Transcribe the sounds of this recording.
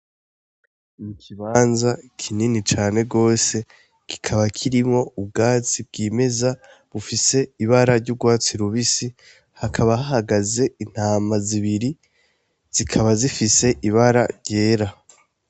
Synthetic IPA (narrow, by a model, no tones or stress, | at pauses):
mikʰiβaːnzakʰininit͡ʃaːne̞ɡo̞ːse̞ | ki̥kʰaβakʰiɾimŋo̞ub̚ɡaːt͡sib̚ɡiːme̞za | βufise̞iβaɾaɾɟuɡwaːt͡siɾuβisi | hakʰaβaɦaɦaɡaze̞in̥haːmaziβiɾi | z̥ikʰaβazifise̞ʔiβaɾaɾɟe̞ːɾa